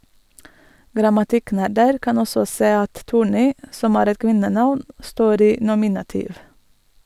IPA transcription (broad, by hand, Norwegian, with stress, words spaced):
ɡɾɑmɑˈtɪˌknæɾdəɾ ˈkɑn ˈɔsɔ ˈseː ˈɑt ˈtuːˌɳiː ˈsɔm ˈæːɾ ˈɛt ˈkʋɪnəˌnɑʋn ˈstoːɾ ˈiː ˈnʊmɪnɑtiːʋ